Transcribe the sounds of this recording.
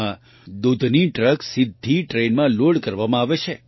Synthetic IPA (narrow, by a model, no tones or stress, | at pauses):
ã | d̪ud̪ʱniʈɾəksɪd̪ʱːiʈɾenmãloɽkəɾʋamãaʋet͡ʃʰe